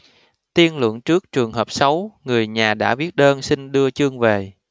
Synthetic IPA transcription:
t̪i˧ənlə̰˧˩əŋt͡ɕɨ˦˥ək̚t͡ɕɨ˨˩əŋɦəː˨˩p̚sa˨˦wŋɨ˨˩əjɲaː˨˩ɗa̰ː˧˥ɓi˦˥ət̚ɗəː˧nsi˧ŋɗɨ˧ət͡ɕɨ˧əŋve˨˩

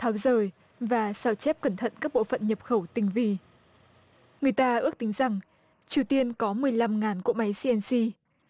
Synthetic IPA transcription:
t̪ʰaː˨˦wzəː˨˩j | vaː˨˩saː˧˩wt͡ɕɛ˦˥p̚kə˧˩nt̪ʰə̰˧˨nkaː˦˥k̚ɓo̰˧˨fə̰˧˨nɲə˨˩p̚xə˧˩wt̪ï˨˩ŋ̟vi˧ | ŋɨ˨˩əjt̪aː˧ʔɨ˦˥ək̚t̪ï˨˦ŋ̟za˨˩ŋ | t͡ɕi˨˩əwt̪i˧ənkɔ˨˦mɨ˨˩əjla˧mŋaː˨˩nku˧˥ma˨˦jsi˧ɛ˧nsi˧

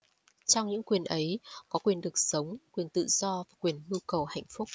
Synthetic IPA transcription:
t͡ɕɔ˧wŋ͡mɲɨ̰˧˥ŋkwi˨˩ənʔə˨˦jkɔ˨˦kwi˨˩ənɗɨ˨˩ək̚sə˨˦wŋ͡mkwi˨˩ənt̪ɨ̰˧˨z̥ɔ˧vaː˨˩kwi˨˩ənʔi˧kə˨˩wɦa̰˧˨jŋ̟fʊ˦˥k͡p̚

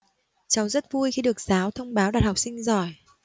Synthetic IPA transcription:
t͡ɕa˨˦wzə˦˥t̚vu˧jxi˧ɗɨ˨˩ək̚zaː˨˦wt̪ʰə˧wŋ͡mɓaː˨˦wɗaː˨˩t̚ha˨˩k͡p̚sï˧ŋ̟zɔ˨˩j

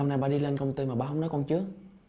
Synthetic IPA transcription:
a˧wŋ͡mna˧ɓaː˧ɗi˧le˧nkə˧wŋ͡mt̪i˧maː˨˩ɓaː˧ɦə˧˦wŋ͡mnɔ˨˦jkɔ˧nt͡ɕɨ˨˦ə

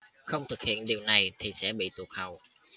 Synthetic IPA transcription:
xə˧wŋ͡mt̪ʰɨ˨˩k̚hḭ˧˨ənɗi˨˩əwna˨˩jt̪ʰi˨˩sɛ̰˧˥ɓḭ˧˨t̪u˨˩ək̚hə˨˩w

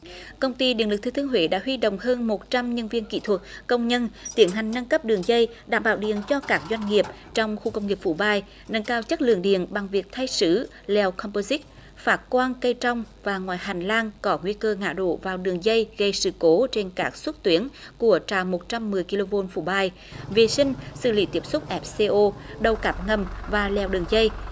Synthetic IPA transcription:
kə˧wŋ͡mt̪i˧ɗḭ˨ənlɨ˨˩k̚t̪ʰːt̪ʰəɦwḛ˧˨˦ɗa̰ː˧˥ɦwi˧ɗo̰˧˨wŋ͡mhəː˧nmo˨˩t̚t͡ɕa˧mɲə˧nvi˧ənkḭ˧˨t̪ʰwə˨˩t̚kə˧wŋ͡mɲə˧nt̪i˨˦ənɦa˨˩ŋ̟na˧ŋkə˦˥p̚ɗɨ˨˩əŋzə˧j | ɗa̰ː˧˩mɓa̰ː˧˩wɗḭ˨˩˨ənt͡ɕɔ˧kaː˦˥k̚zwa˧jŋ̟ŋi˨˩əp̚ | t͡ɕɔ˧wŋ͡mxu˧kə˧wŋ͡mŋi˨˩əp̚fṵ˧˩ɓaː˧j | nə˧nkaː˧wt͡ɕə˦˥t̚lɨ̰˧˨əŋɗḭ˧˨ənɓa˨˩ŋvi˨˩ək̚t̪ʰa˧jsɨ̰˧˥˩ | lɛ˧wkʰɔ˧mpo˧zi˦˥t̚ | faː˦˥t̚kwaː˧nkə˧jt͡ɕɔ˧wŋ͡mvaː˨˩ŋwaː˨˩jɦa˨˩jŋ̟laː˧nkɔ˨˦ŋwi˧əkəː˧ŋa̰ː˧˨ɗo̰˧˨vaː˨˩wɗɨ˨˩əŋzə˧jɣə˧˩jsɨ̰˧˩ko˨˦t͡ɕe˧nkaː˦˥k̚swə˦˥t̚t̪wi˨˦ənku˧˩ət͡ɕa̰ː˧˨mo˨˩t̚t͡ɕa˧mːɨ˨˩əjki˧lo˧vo˧nfṵ˧˩ɓaː˧j | ve˨˩sï˧ŋ̟sɨ̰˧˨˩lḭ˧˨˦t̪i˦˥əp̚sʊ˦˥k͡p̚ʔɛ˦˥p̚se˧ʔo˧ɗə˨˩wkaː˦˩p̚ŋə˨˩mvaː˨˩lɛ˨˩wɗɨ˨˩əŋzə˧j

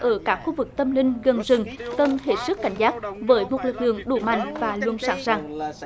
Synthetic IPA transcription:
ʔəː˧˩kaː˦˥k̚xu˧vɨ˨˩k̚t̪ə˧mlï˧ŋ̟ɣə˨˩nzɨ˨˩ŋk̪ə˧˩nhe˨˩sɨ˦˥kkːa˧˩jŋ̟zaː˦˥k̚vəː˨˦jmo˨˩t̚lɨ˨˩k̚lɨ̰˧˨əŋɗu˧˩˦ma̰˧˨jŋ̟vaː˨˩lwu˧ənsaː˨˦ŋzaː˧˩ŋ

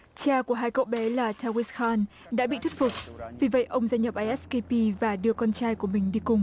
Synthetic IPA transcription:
t͡ɕaː˧ku˧˩əɦaː˧jkə̰˧˨wɓɛ˨˦laː˨˩tʰaː˧wi˦˥sxaː˧n | ɗa̰ː˧˥ɓḭ˧˨t̪ʰt̚fʊ˨˩k͡p̚vi˨˩və̰˧˨jʔə˧wŋ͡mzaː˧jɲə˨˩p̚ʔaː˧jʔɛ˦˥ske˧pi˧vaː˨˩ɗɨ˨˩əkɔ˧nt͡ɕaː˧jku˧˩əmï˨˩ŋ̟ɗi˧kʊ˨˩ŋ͡m

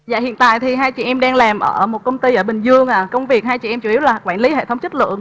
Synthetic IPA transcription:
za̰ː˧˨hḭ˧˨ənt̪a̰ː˧˨jt̪ʰi˨˩ɦaː˧jt͡ɕḭ˧˨ʔɛ˧mɗaː˧ŋlaː˨˩mʔəː˧˩˧mo˨˩t̚kə˧wŋ͡mt̪i˧ʔəː˧˩ɓï˨˩ŋ̟zɨ˧əŋʔaː˨˩kə˧wŋ͡mvi˨˩ək̚haː˧jt͡ɕḭ˧˨ʔɛ˧mt͡ɕu˧˩i˨˦wlaː˨˩kwaː˧˩nli˨˦hḛ˧˨t̪ʰwŋ͡mt͡ɕə˦˥t̚lɨ̰˧˨əŋ

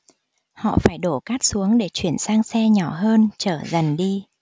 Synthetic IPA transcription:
hɔ̰˧˨faː˧˩jɗo˧˩kaː˦˥k̚su˨˦əŋɗe˧˩t͡ɕwi˧˩ənsaː˧ŋsɛ˧ɲɔ˧˩ɦəː˧nt͡ɕəː˧˩zə˨˩nɗi˧

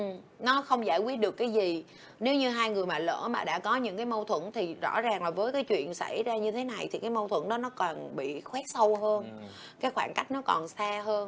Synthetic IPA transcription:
ʔɨ˨˩ | nɔ˨˦xə˧wŋ͡mzaː˧˩jkwi˦˥ət̚ɗɨ˨˩əkːaː˨˦jzi˨˩ | ne˨˦wɲɨ˧ɦaː˧jŋɨ˨˩əjmaː˨˩lə̰ː˧˩maː˨˩ɗa̰ː˧˥kɔ˨˦ɲɨ̰˧˥ŋkaː˨˦jmə˧wt̪ʰwə̰˧˩nt̪ʰi˨˩zɔ̰˧˥zaː˨˩ŋlaː˨˩vəː˨˦jkaː˨˦jt͡ɕwḭ˧˨ənsa̰˧˩jzaː˧ɲɨ˧t̪ʰe˨˦na˨˩jt̪ʰi˨˩kaː˨˦jmə˧wt̪ʰwə˧˩nɗɔ˨˦nɔ˨˦kɔ˨˩nɓḭ˧˨xwɛ˦˥t̚sə˧wɦəː˧n | kaː˨˦jxwaː˧˩nka˦˥jk̟̚nɔ˨˦kɔ̰˨˩nsaː˧ɦəː˧n

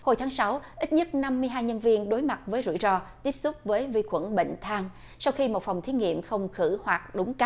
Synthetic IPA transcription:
ho˧˩jt̪ʰaː˨˦ŋsa˨˦wʔi˦˥t̚ɲə˦˥t̚na˧mːɨ˧əjɦaː˧jɲə˧nvi˧ənɗo˨˦jma˨˩t̚vəː˨˦jzṵ˧˩˨zɔ˧t̪i˦˥əp̚sʊ˦˥k͡p̚vəː˨˦jvi˧kwə˧˩nɓḛ˧˨ŋ̟t̪ʰaː˧ŋ | sa˧wxi˧mo˨˩t̚fa˨˩wŋ͡mt̪ʰi˨˦ŋḭ˧˨əmxə˧wŋ͡mxɨ˧˩hwaː˨˩k̚ɗʊ˨˦ŋ͡mka˦˥

